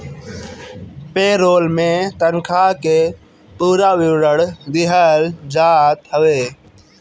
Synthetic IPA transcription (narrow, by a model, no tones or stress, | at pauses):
peːɾoːlmẽːt̪ənkʰaːkeː | puːɾaːʋɪʋɾəɽd̪ɪɦəld͡ʒaːt̪ɦəʋeː